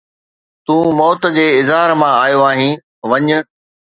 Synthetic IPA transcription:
t̪ũːmɔːt̪̆d͡ʑeːɪzɦaːɾmãaːjoaːɦĩː | ʋɐɲʊ̆

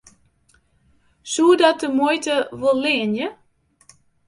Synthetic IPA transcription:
suədɔt̚dəmojtəʋolˠlɪənjə

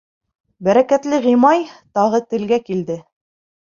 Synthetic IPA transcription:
bæɾækæt̪lɘʁimɑjt̪ɑʁɤt̪ɘ̆lɡækild̪ɘ

